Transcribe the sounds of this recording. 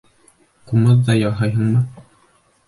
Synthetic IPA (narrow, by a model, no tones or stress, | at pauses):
qumɤðːɑjɑɦɑjɦɤɴmɤ